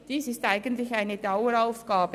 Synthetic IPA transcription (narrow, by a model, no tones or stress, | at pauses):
d̥iːsɪstaɪɡəntlɪçaɪnəd̥aʊəɾaʊfɡ̥aːbə